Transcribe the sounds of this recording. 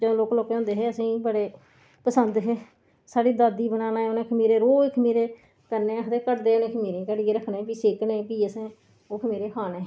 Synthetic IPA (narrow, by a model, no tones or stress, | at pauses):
d͡ʒõloːkloːkeːõːnd̪eːɦeːəsĩːbəɽeː | pəsənd̪ɦeː | saːɽiːd̪aːd̪iːbənaːnaːɦeːʊnẽːkʰəmiːɾeːɾoːkʰmiːɾeː | kəɾneːəkd̪eːkəʈd̪eːʊnẽːkʰəmiːɾẽːkəɽieːɾəkʰːneːpiːseːkneːpiːəsẽː | oːkʰəmiːɾeːkʰaːneː